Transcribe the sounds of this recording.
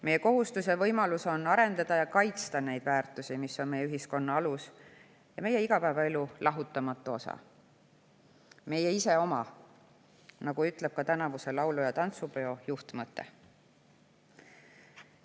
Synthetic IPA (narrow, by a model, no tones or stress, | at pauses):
me̞je̞ko̞ɦust̪use̞vɤjmɑluso̞nɑɾe̞nd̪ɑd̪̥ɑjɑkɑjt̪st̪ɑne̞jd̪̥væːrt̪usimisːo̞nme̞jyɦisko̞nːɑɑlus | jɑme̞je̞iɡ̥ɑpæːvɑe̞lulɑɦut̪ːˑɑmɑt̪ːˑuo̞sɑ̰ | me̞jeise̞o̞mɑ | nɑɡ̥uyt̪ˑle̞b̥̚kɑt̪ænɑvuse̞lɑwlujɑt̪ɑnt̪supeo̞juht̪mɤt̪ːˑe̞̰